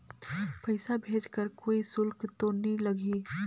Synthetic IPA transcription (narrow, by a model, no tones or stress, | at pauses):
pəɪsabʱeːd͡ʒkəɾkoːisʊlkt̪oniləɡʱi